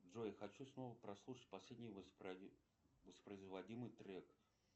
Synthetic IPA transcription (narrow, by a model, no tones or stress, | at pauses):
ʐojxɐt͡ɕusno̞vəpɾɐslˠuʂət̚ʲpɐsʲlʲedʲnʲɪjvpɾɐ | vəspɾəɪzvɐdʲimɨjt̪ɾʲɛk